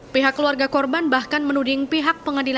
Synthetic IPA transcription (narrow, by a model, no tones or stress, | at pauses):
piɦakːəluarɡakɔrbanbahkanmənudɪŋpiɦak̚pəŋadila